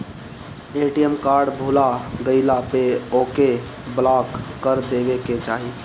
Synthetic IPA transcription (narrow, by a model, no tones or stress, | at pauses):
eʈijəmkaːɾɖbʱulaɡəɪlapeoke | blakːəɾd̪ebeket͡ʃaːɦi